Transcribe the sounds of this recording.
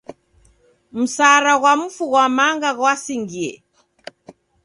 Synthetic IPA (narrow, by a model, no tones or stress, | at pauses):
m̩saɾaɣwam̩fuɣwamaŋɡaɣwasiŋɡiɛ̰